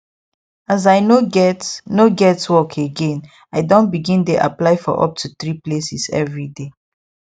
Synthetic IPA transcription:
azaɪnoɡɛtnoɡɛtwɔkʰeɡẽn | aɪdõntbiɡĩndeʔa̰plaɪfɔ̰ʔɔ̰p̚tʰuθɹiplesisɛ̰vɹide

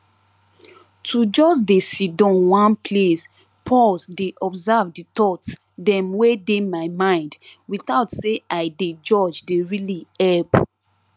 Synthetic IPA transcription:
tʰud͡ʒɔs̬desidɔ̃nwãnples | pʰɔlsdeʔɔbzavditɔts | dɛ̃mwedemaɪmãɪ̃ndwit̪aʊtseaɪded͡ʒɔd͡ʒdeɹiliɛp

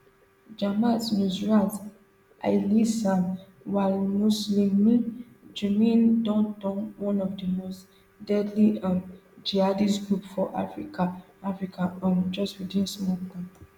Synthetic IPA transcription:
d͡ʒamãtnuzɹãt | ʔa̰jlisãn | walmuslĩmːĩ | d͡ʒumĩndɔ̃ntɔ̃nwɔ̃nɔfdəmost | dɛdliãmd͡ʒiadisɡɹupfɔʔa̰fɹika | afɹikʰãɔ̃md͡ʒɔstwidĩnsmɔklã

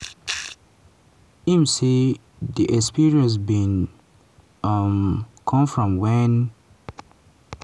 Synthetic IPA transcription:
ĩmsi | diʔɛkspiɹiə̃ns̬bĩn | ʌmkʰɔ̃mfɹɔ̃mwɛ̃n

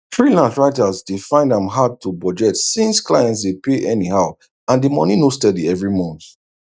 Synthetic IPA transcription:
θɹilãntɹaɪtazdefãɪ̃ndãmɦad̚tʰubɔd͡ʒɛtsĩnsklajɛ̃ntsdepeʔɛniɦaʊ | ãndimɔ̰ninostɛdiɛvɹimɔ̃nθ

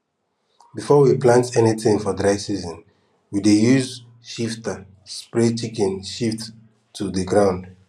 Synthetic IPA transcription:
bifɔwiplãntɛniθĩŋfɔdɹaɪsizɔ̃n | widejuz | ʃiftə | spɹet͡ʃikɛ̃nʃiftʰː | uðəɡɹãʊ̃nd

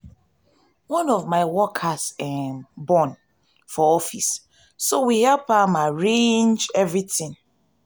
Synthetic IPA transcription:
wɔ̃nɔvmaɪwɔkʰasɛmbɔ̃n | fɔɔfisː | owihɛlpamaɹẽnd͡ʒɛvɹitɪ̃ŋ

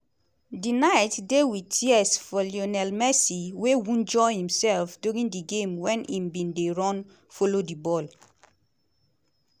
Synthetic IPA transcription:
dinaɪtdewitʰiɛsfɔlionɛlmɛsiwewũnd͡ʒɔhĩmsɛlfduɹĩndiɡẽmwɛ̃nĩmbĩndeɹɔ̃n | folodibɔl

